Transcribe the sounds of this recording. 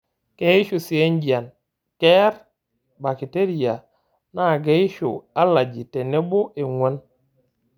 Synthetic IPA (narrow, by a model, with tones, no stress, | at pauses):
ke˨˦i˦ʃu˨si˨e˦nd͡ʒi˨a˨n | kɛ˦ɾ | ba˨ki˨te˦ɾi˨a˨ | na˦˨ɡe˦i˦ʃo̰˨a˦la˨d͡ʒi˨te˨ne˦bo˦ʔe˨ŋwʷo˦n